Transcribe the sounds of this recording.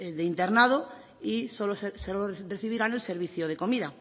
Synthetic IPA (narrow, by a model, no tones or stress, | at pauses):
dðeint̪e̞ɾnað̞o | isoloseseloreθiβ̞iɾane̞lseɾβ̞iθjoð̞e̞ko̞miða